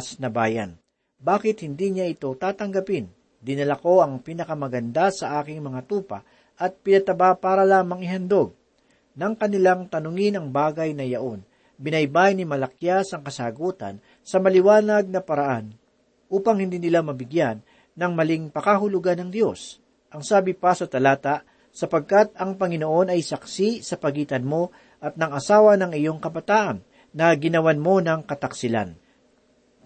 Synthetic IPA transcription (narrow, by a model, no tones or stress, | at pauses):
snɐbaːjɐ̰n | baːkɪt̪̚hɪnd̪iɲaʔɪt̪o̞t̪aːt̪ɐŋɡɐpɪn | d̪ɪnɐlako̞ɐŋpinɐkɐmɐɡɐnd̪asɐʔaːkɪŋmɐŋat̪uːpɐ̰ | ʔɐt̪̚pɪnɐt̪ɐbapaːɾɐlaːmɐŋɪɦɐnd̪o̞ɡ̚ː | ɐŋkɐnɪlaŋt̪ɐnʊŋɪnɐŋbaːɡɐjnɐjɐʔo̞n | bɪnɐjbajnɪmɐlɐk̚jasɐŋkɐsaːɡuːt̪ɐ̰n | sɐmɐlɪwaːnɐɡ̚nɐpɐɾɐʔan | ʔuːpɐŋhɪnd̪iːnɪlamɐbɪɡjanː | ɐŋmɐlɪŋpɐkahʊlʊɡanɐŋd̪jo̞s | ʔɐŋsaːbɪpɐsɐt̪ɐlaːt̪aʔ | sɐpɐɡ̚kat̪̚ɐŋpɐŋɪno̞ʔo̞nɐjsɐksisɐpɐɡiːt̪ɐnmo̞ | ʔɐt̪̚nɐŋɐsaːwɐnɐŋɪjo̞ŋkɐbɐt̪aːʔɐnː | ɐɡɪnɐwanmo̞nɐŋkɐt̪ɐksɪla̰n